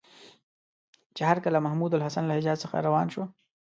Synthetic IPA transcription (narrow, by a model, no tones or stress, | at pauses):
t͡ʃehaɾkalamahmud̪alɦasanlahɪd͡ʒɑːd͡ʒsəxa̰ɾawɑːnʃo